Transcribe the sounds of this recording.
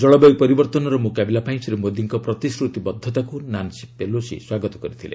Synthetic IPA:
d͡ʒɔɭɔbɔjpɔɾibɔɾt̪ɔnɔɾɔmukabelapaj̃msɾemod̪iŋkɔpɾɔt̪isɾut̪ibɔd̪ʱːɔt̪akunansi̥pelosḭswaɡɔt̪ɔ̥kɔɾit̪ʰilḛ

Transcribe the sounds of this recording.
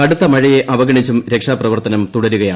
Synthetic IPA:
ɐɽut̪ːɐmɐɻije̞ʔɐʋɐɡɐɳit͡ɕːumɾe̞kʂaːprɐʋɐrt̪ɐnɐmt̪uɽɐɾuɣɐjaː

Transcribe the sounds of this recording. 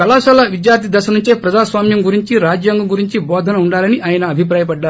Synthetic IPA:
kɐlaːʃɐlɐʋid̪jaːɾt̪ʰid̪ɐʃɐnuɲt͡ʃeːpɾɐd͡ʒaːsʋaːmjɐmɡuɾiɲt͡ʃiɾaːd͡ʒjaːŋɡɐɡuɾiɲt͡ʃibɔːd̪ʱɐnɐuɳɖaːlɐniʔaːjɐnɐːbʱipɾaːjɐpɐɖːaːɾ

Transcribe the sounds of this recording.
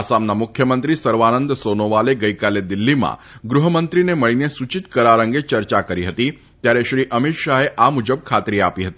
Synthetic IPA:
asamnamʊkʰjəmənt̪ɾisəɾʋanənd̪sonoʋaleɡəikaled̪ɪlːimã̰ | ɡɾuɦəmənt̪ɾineməɭinesut͡ʃit̪kəɾaɾə̃ŋɡet͡ʃəɾt͡ʃakəɾiɦət̪i | t̪jaɾeʃɾiʔəmɪt̪ʃaɦeʔamud͡ʒəb̚kʰat̪ɾia̰piɦət̪i

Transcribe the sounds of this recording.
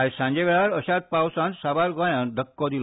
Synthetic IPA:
ajsãɲd͡ʑeʋeɭaɾəɕat̪̚pawsãnsabaɾɡãjãnd̪ʱəkːɔd̪il

